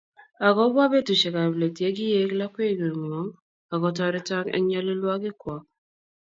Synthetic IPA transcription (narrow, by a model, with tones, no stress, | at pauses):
a˨ɡɔ˦bwa˦be˦tu˨ʃe˨ka˨ble˨ti˨e˦ɡi˦je˦kla˦kʷe˦˨ɡe˨ɾŋ˨ɔ˨˦ŋ | a˨ɡɔ˨t̬ɔ˦ɾɪ˦ta˦ŋḛ˦ɲa˦lɪ˦lwa˦ɡɪ˦kwɔ˨˦